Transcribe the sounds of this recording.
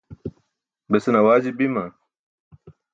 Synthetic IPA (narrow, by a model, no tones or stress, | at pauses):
besenɐwaːd͡ʑibimɐ